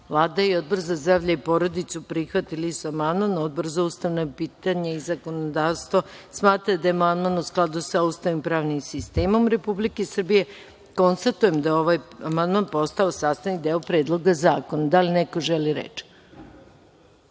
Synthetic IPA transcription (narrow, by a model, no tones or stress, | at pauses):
vlˠaːd̪aio̞d̪̚borzazd̪ɾaːʋʎaipo̞ɾo̞d̪it̪supɾixʋat̪ilisuamand̪manod̪br̩zoust̪aʋnapiːt̪aɲaizako̞nod̪aːʋst̪ʋosmaːt̪ɾad̪ajemand̪manusklˠad̪usaust̪aʋimpɾaːʋnimsist̪eːmo̞mɾe̞publikesr̩bije̞ | ko̞nst̪at̪uje̞md̪ajeoʋajamand̪manpo̞st̪aosaːst̪anid̪eːopɾe̞ːd̪lˠo̞ɡazaːkonad̪alineko̞ʒeliɾḛt͡ʃ